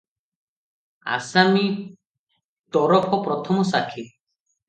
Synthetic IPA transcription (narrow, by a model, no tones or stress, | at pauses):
a̰sami | t̪ɔɾɔpʰɔpɾɔt̪ʰɔmɔsakʰi